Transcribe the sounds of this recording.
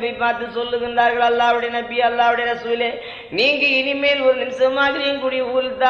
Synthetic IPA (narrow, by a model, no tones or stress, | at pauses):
bɐɪpːaːɾt̪ɯsɔlːɯɣɪndaːɾɣɐɭɐlːaːʋɯɽɐjɐnɐbɪɐlːaːʋɪɽɐjɐɾɐsʊʋɪleː | niːŋɡɐɪnɪmɐjɪlɔɾɯnɪnsɐmaːðɪɾɪjɪnkuːɽɪjɐuːɾɯt̪ːaː